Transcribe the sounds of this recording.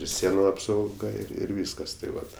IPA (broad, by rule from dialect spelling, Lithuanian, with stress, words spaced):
ɪr ˈsʲiɛnʊ ɐpsɐʊˈɡɐ ɪr ˈʋʲiːskɐs tɐɪ ˈʋɐt